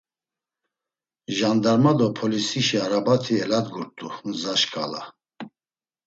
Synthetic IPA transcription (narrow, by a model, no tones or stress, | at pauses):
ʒand̪aɾmad̪ɔpʰɔlisiʃiaɾabat̪ʰiɛlad̪ɡuɾt̪ʼuzaʃkʼa̰la̰